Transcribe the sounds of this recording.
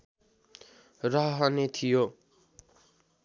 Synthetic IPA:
rʌɦɦʌnet̪ʰijo

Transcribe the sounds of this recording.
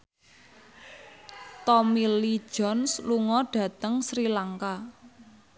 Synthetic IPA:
t̪ɔmili̥ʒ̥ɔ̤nsluŋɔɖ̥ä̤t̪əŋsɾilaŋka

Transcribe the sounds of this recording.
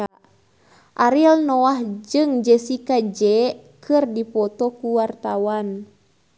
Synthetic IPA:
ʔaɾilnɔahd͡ʒɨŋd͡ʒɛsikad͡ʒɛkɨrdipɔt̪ɔkuwart̪awan

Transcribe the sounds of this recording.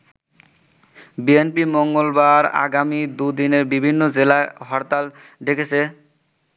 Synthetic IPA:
bienpimoŋɡolbaɾa̰ɡamid̪ud̪ineɾbibʱinːod͡ʑelaɦɔɾt̪al | ɖekʰet͡ɕʰe

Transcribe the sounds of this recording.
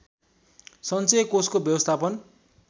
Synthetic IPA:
sʌnt͡sekoskobjʌwʌst̪ʰapʌn

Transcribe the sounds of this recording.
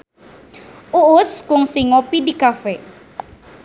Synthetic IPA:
ʔuʔʊskʊŋsiŋɔpidikafɛ

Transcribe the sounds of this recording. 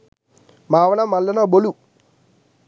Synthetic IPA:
maːʋɐnamɐlːɐnabolu

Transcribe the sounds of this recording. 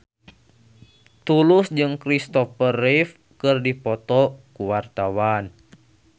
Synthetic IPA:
t̪ulusd͡ʒɨŋkɾist̪ɔfərif | kɨrdipɔt̪ɔkuwart̪awan

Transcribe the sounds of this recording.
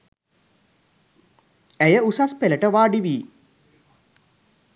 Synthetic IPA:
æjəusaspeləʈəʋaːɖiʋiː

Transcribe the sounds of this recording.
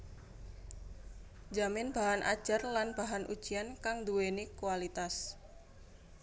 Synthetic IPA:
d͡ʒamɪnb̥aɦanʔa̰d̥ʒ̥a̤rlanb̥aɦanʔṵd̥ʒ̥iankaŋd̪uwenikualit̪as

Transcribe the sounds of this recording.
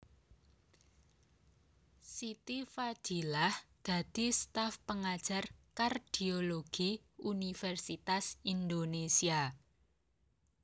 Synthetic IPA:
sit̪ifḁd͡ʒ̥i̤lahd̪̥ä̤d̪̥i̤st̪afpəŋad̥ʒ̥a̤rkard̪̥ioloɡ̥i | unifɛrsit̪asind̪onesia

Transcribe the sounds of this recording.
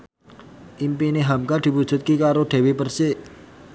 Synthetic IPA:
ʔimpineɦamkad̪̥i̤pud̥ʒ̥ṳt̪̚kikaɾoɖ̥e̤wipərse

